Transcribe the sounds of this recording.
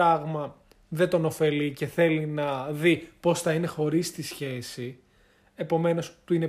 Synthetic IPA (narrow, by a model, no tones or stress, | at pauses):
ɐɣmɐ | ðet̪o̞no̞fe̞lice̞θe̞linɐðipo̞sθɐinexo̞ɾist̪isçe̞si | e̞po̞me̞no̞st̪uine̞